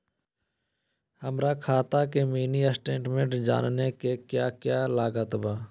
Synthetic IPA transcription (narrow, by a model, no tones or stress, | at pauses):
həmɾakʰaːt̪aːkemiːniəsʈẽːɳʈmẽʈd͡ʒa̰ːnnekekjaːkjaːlaːɡət̪baː